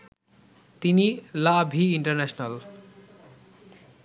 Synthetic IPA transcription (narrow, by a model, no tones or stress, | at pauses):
t̪inilabʱiːɳʈʌrnesnal